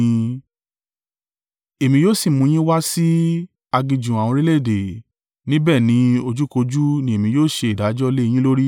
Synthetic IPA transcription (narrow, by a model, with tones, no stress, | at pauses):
e˨mĩ˧joː˦˨si˦˨mũ˧j̃ĩ˦wa˦si˦ | a˧ɡĩ˧d͡ʒũ˨a˨w̃ɔ̃˧ɾi˦le˦˨de˨ | nĩ˦bɛː˦˨nĩ˨˦o˧d͡ʒu˦ko˧d͡ʒu˦nĩ˧e˨mĩ˧joː˦˨ʃe˧i˨da˨˦d͡ʒɔ˦le˦˧j̃ĩ˦lo˦ɾi˦